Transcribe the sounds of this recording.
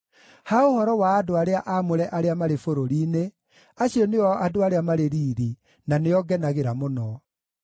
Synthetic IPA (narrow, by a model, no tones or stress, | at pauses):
haohɔɾɔwaːdoaɾeaʔamoɾɛʔaɾeamaɾefoɾoɾiːne | aɕiɔneɔadoaɾeamaɾeɾiːɾi | naneɔɡɛnaɣeɾamonɔ